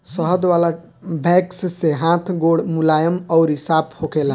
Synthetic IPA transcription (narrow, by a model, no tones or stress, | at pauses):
səɦəd̪ʋala | bʱɛksseɦãt̪ʰɡoɽmulajəmɔʊɾɦisabhokela